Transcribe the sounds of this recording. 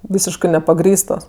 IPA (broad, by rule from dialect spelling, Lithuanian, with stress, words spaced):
ˈʋʲiːsʲɪʃkɜ nʲɛpɐˈɡrʲiːstoːs